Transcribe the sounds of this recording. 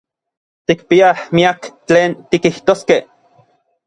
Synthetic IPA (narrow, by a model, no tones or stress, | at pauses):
t̪ikpiahmiakt͡ɬeːnt̪ikiht̪oskeh